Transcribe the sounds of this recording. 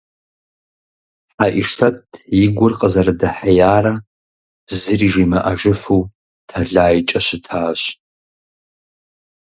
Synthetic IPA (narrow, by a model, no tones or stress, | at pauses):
aʔiʂʰɐtʼʰjiɡʷʊrqʼəzɐradaħajaːra | zɨriʒimaʔaʒɨfu | tʰaɮaːjt͡ʃʼɐɕʷɪtʰaːɕ